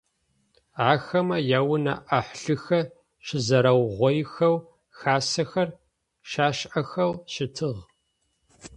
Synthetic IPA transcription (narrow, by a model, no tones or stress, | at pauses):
aːxɐmɐjaːwʊnɐ̰ʔaħɬɨxɐ | ʃɪzɐɾɐwʁʷɔjxɐw | xaːsɐxɐr | ʃaːʃʔɐxɐwʃɪtʰɨʁ